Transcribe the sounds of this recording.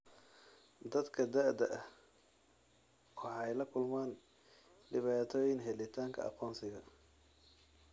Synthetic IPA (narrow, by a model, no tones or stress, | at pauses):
d̪ɐd̪kʰɐd̪aʕd̪ɐʔɐh | wɑħɑjlɐkʰʊlmaːn | ɖɪβaːt̪ʰɔːjɪŋɦɛlɪt̪ʰaːŋkʰɐ̰ɑ̰qɔːnsɪɣɐ